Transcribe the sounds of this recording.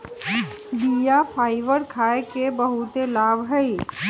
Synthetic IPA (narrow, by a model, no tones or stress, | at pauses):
bijafʰaːɪʋəɾkʰaːekebəɦut̪elaːbɦəi